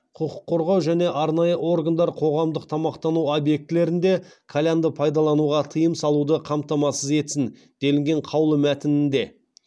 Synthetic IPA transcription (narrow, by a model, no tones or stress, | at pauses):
qʰʊqə̥qːo̞ɾʁɑwʒæne̞ʔɑɾnɑjəʔo̞ɾɡand̪ɑɾqʰo̞ʁɑmd̪əq̚t̪ʰɑmɑqt̪ɑnuobje̞k̚t̪ɪle̞ɾɪnd̪e̞kʰalʲand̪əpʰɑjd̪ɑlˠɑnuʁɑt̪ʰəjəmsɑlˠud̪əqʰɑmt̪ɑmɑsəze̞t̪sɪn | d̪̥e̞lɪŋɡʲe̞ɴqʰɑwlˠəmæt̪ɪnɪnd̪e̞